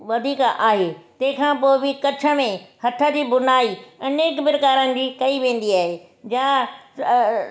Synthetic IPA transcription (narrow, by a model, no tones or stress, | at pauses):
ʋɐd̪ʱiːkʔaːɦeːt̪ɐ̃ɦɪ̃kʰãpoːɪbikɐt͡ɕʰə̆mẽhɐt̪ʰəd͡ʑiːbʊnaːiɐneːkbɪɾkaːɾənɪ̆d͡ʑiːkɐiʋẽːn̆d̪iaːɦeː | d͡ʑãː